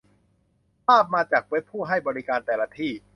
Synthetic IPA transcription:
pʰaː˥˩p̚maː˧t͡ɕaː˨˩k̚we˦˥pʰːuː˥˩ɦa˥˩jbɔː˧ɾi˦˥kaː˧nt̪ɛː˨˩la˧˥t̪ʰiː˥˩

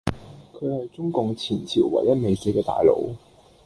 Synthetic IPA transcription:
kʰɵ˨˧hɐ˨jt͡sʊ˥ŋkʊ˨ŋt͡sʰiː˨˩nt͡sʰiː˨˩wwɐ̰˨˩jɐ˥t̚me˨˧jse˧˥kɛː˧t̪a̰ː˨jlo̰˨˧˥w

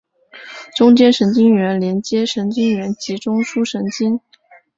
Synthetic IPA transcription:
ʈ͡ʂʊ˥ŋt͡ɕjɛ˥nʂə˧˥nt͡ɕi˥ŋɥɛ˧˥nljɛ˧˥nt͡ɕjɛ˥ʂə˧˥nt͡ɕi˥ŋɥɛ˧˥nt͡ɕi˧˥ʈ͡ʂʊ˥ŋʂu˥ʂə˧˥nt͡ɕi˥n

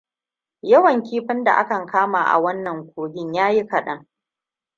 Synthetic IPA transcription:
jɐ˦wɐ˨ŋkʲiː˦ɸɪ˦nda̰˨ʔa̰˦kɐ˨ŋkʰaː˦maː˨ʔa̰˨wɐ˦nːɐ˨ŋkʷoː˨ɡʲɪ˦ɲjaː˦ji˦kɐ˨ɗɐ˦ŋ

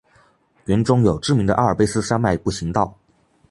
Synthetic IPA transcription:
ɥɛ˧˥nʈ͡ʂʊ˥ŋjo˨˩ʊʈ͡ʂɻ̩˥˩mi˧˥ŋd̪ə˧ʔa˥˩ə˞˨˩pe˥ɪsɹ̩˥ʂa˥nma˥˧ɪpu˥˩ɕi˧˥ŋt̪ɑ˥˩ʊ

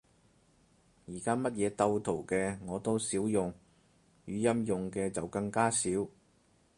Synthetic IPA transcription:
jiː˨˩kaː˥mɐ˥t̚jɛː˨˧t̪ɐ˧wt̪ʰo˨˩wkɛː˧ŋɔː˨˧t̪o˥wsiː˨˥wjʊ˨ŋ | jyː˨˧jɐ˥mjʊ˨ŋkɛː˧t͡sɐ˨wkɐ˧ŋkaː˥siː˨˥w

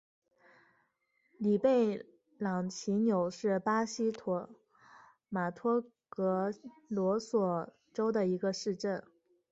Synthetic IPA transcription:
li˨˩pe˥˩ɪ | lɑ˨˩ŋt͡ɕʰi˧˥njo˨˩ʊʂɻ̩˥˩pa˥ɕi˥t̪ʰɔ˨˥ | ma˨˩t̪ʰwɔ˥ | kɤ˧˥lwɔ˧˥swɔ˨˩ | ʈ͡ʂo˥ʊd̪ə˨i˧˥ɡə˧ʂɻ̩˥˧ʈ͡ʂə˥˩n

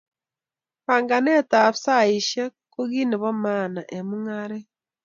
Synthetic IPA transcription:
βaːŋɡa˨ne˦ta˨βsa˦iʃe˦koɣi˦ni˨βo˦maːna˨ʔe˨muŋaɾe˦

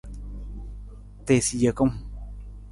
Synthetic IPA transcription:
t̪e˨si˧˨jə˧˨ko˦m

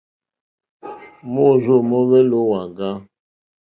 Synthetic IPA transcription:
mo˦˨zo˦˨mɔ˦βɛ˦lo˦wa˨ŋɡa˦

